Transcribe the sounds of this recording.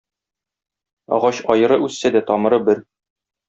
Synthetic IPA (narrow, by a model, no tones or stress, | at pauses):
ɒ̰ʁɑɕɒjɤ̆ɾɤʉsːæd̪æt̪ɒmɤ̆ɾɤbɘɾ